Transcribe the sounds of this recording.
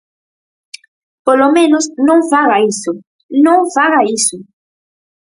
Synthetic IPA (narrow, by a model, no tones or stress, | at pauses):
polomẽnosnõŋfaɣaiso | nõŋfaɣaiso